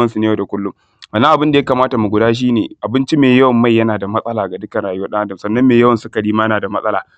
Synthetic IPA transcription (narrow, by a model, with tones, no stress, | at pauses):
ɐ˦nsu˨neː˦jaː˨da˨kʷʊ˦lːʊ˦m | ʔɐ˨nːa˦ʔa˨bɪ˦nda˨ja˦kaː˨maː˦ta˨mu˨ɡʷʊ˨daː˦ʃ̬iː˦nḛː˨ʔa˨bɪ˦nt͡ʃi˦meː˨jɐ˦wɐ˨mːa˦jːɐ˦naː˨da˨mɐ˦sʼɐ˦laː˨ɡa˨dʊ˦kɐ˨nɽaː˨jʊ˦waː˦ɗɐ˦ŋʔa˦dɐ˨msɐ˦nːɐ˦mːeː˨jɐ˦wɐ˨nsʊ˦kɐ˨ɽiː˦ma˦jɐ˦naː˨da˨mɐ˦sʼɐ˦laː˨